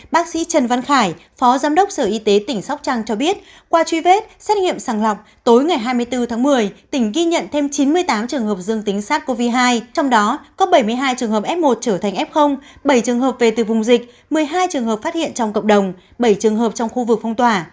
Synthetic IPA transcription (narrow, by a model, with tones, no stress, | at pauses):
ɓaː˦˥k̚sḭ˧˥t͡ɕə˨˩nva˧nxaː˧˩jfɔ˨˦zaː˨˦mɗə˦˥wk͡p̚səː˧˩ʔi˧t̪e˨˦t̪ï˧˩ŋ̟sa˦˥wk͡p̚t͡ɕaː˧ŋt͡ɕɔ˧ɓi˦˥ət̚ | kwaː˧t͡ɕwi˧ve˦˥t̚sɛ˦˥t̚ŋḭ˧˨əmsaː˧˩nlɔ˨˩wk͡p̚ | t̪o˨˦jŋa˨˩jɦaː˧jmɨ˧əjt̪ɨ˧t̪ʰaː˨˦ŋmɨ˨˩əjt̪ï˧˩ŋ̟ɣi˧ɲə̰˧˨nt̪ʰe˧mt͡ɕi˨˦nmɨ˧əjt̪aː˨˦mt͡ɕɨ˨˩əŋhə˨˩p̚zɨ˧əŋt̪ï˨˦ŋ̟saː˦˥t̚ko˧vi˧ɦaː˧jt͡ɕɔ˧wŋ͡mɗɔ˨˦kɔ˨˦ɓə˧˩jmɨ˧əjɦaː˧jt͡ɕɨ˨˩əŋɦəː˨˩p̚ʔɛ˦˥p̚mo˨˩t̚t͡ɕəː˧˩t̪ʰa˨˩ŋʔɛ˦˥p̚xə˧wŋ͡mɓə˧˩jt͡ɕɨ˨˩əŋhɦəː˨˩p̚ve˨˩t̪ɨ˨˩vʊ˨˩ŋ͡mzï˨˩k̟̚ | mɨ˨˩əjɦaː˧jt͡ɕɨ˨˩əŋɦə˨˩p̚faː˦˥t̚hḭ˧˨ənt͡ɕɔ˧wŋ͡mkə̰˧˨wŋ͡mɗə˨˩wŋ͡m | ɓə˧˩jt͡ɕɨ˨˩əŋɦəː˨˩p̚t͡ɕɔ˧wŋ͡mxu˧vɨ˨˩k̚fə˧ŋ͡mt̪waː˧˨˩